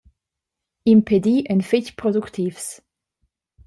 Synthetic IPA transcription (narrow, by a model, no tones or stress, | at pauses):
impʰed̪iʔənficpɾɔd̪ukt̪ʰifs